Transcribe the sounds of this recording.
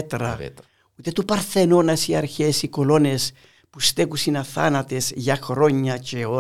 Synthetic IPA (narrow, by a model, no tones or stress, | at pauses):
t̪ɾɐ̰ | ut̪et̪upɐɾθenonɐsiɐɾçesikolo̞nes | pust̪ekusinɐθa̰nɐt̪esʝaxɾoɲːɐt͡ʃeo